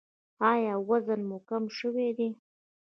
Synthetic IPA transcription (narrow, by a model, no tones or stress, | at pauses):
ɑjɑwazənmokamʃəwed̪e